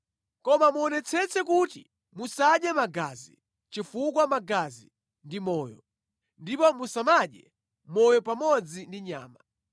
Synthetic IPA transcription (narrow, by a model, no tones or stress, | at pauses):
kɔmamuɔnɛt͡sʰɛt͡sɛkutḭ | musaɗjɛmaɡazḭ | t͡ʃifukwamaɡazi | ndimɔːjɔ̰ | ndipɔmusamaɗɛ̰ | mɔjɔpamɔd͡zindiɲa̰ːma